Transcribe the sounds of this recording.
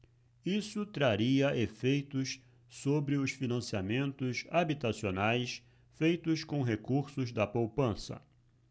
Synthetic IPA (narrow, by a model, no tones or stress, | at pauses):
isʊt̪ɾaɾiɐʔefejt̪ʊs | sobɾɪʊsfinɐ̃siamẽnt̪ʊsabit̪asionajs | fejt̪ʊskõɦekuɾsʊzd̪ɐpowpɐ̃sɐ̰